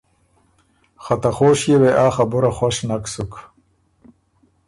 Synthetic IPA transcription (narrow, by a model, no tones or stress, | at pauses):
χat̪aχoːʂjeweʔaːxabʊɾaχwaʂnaksuk